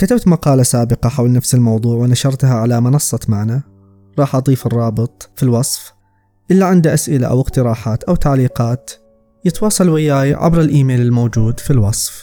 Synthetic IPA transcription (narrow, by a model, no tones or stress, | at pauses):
kat̪abt̪mɑqɑːlasaːbɪqɑħawlnafsɪlmɑwðˤuːʕwɪnaʃɑɾˤt̪ɦaʕalamɪnɑsˤːɑt̪maʕna | ɾˤɑːħʔɑd̪ˤiːfɨrˤːɑːbɨt̪ˤfilwɑsˤf | ʔɪlːaʕɪnd̪aʔasʔɪla̰ʔa̰wɪqt̪ɪɾɑːħaːt̪ʔawt̪aʕliːqɑːt̪ | jɪt̪wɑːsˤɑlwɪjaːjʕa̰bɾɪlʔiːmeːlɪlmowd͡ʒuːd̪filwɑsˤf